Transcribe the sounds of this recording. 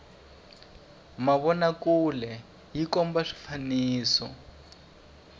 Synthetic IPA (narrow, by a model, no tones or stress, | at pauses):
maβɔnakulɛ | jikɔmbaʂi̥faniːsɔ̰